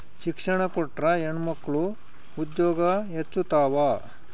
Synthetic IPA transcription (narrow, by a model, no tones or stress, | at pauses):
ʃikʂɐɳɐkɔʈɾɐeɳmɐkːɭu | ud̪joːɡɐet͡ʃːut̪aːʋaː